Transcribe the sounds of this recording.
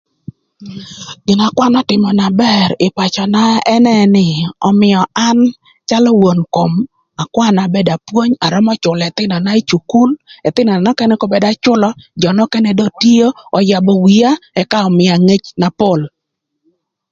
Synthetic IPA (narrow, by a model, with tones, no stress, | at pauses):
ɡ̥ɪ˨na˨kwa˦nɔ˦tɪ˨mɔ˨na˨bɛ˦ɾɪ˨pa˨t͡ʃɔ˨na˦ɛ˦nɛ˦nɪ˨ɔ̰˨mɪ˨jɔ˨a˦n | t͡ʃa˦lɔ˦wo˨nko˨m | a˨kwa˦˨na˨be˦da˨pwo˦ɲa˨ɾɔ˦mɔ˦t͡ʃʊ˨lɛ˨t̪ɪ˦nɔ˨na˦i˦t͡ʃu˨ku˦lɛ˨t̪ɪ˦nɔ˨na˨nɔ˦kɛ˦nɛ˦kɔ˦be˨da˦t͡ʃʊ˦lɔ˦d͡ʒɔ˨nɔ˦kɛ˦nɛ˨do˦ti˦o˦ɔ˨ja˨bɔ˨wi˨a˦ɛ˦ka˦ɔ˨mɪ˨a˨ŋe˦t͡ʃna˨po˦˨l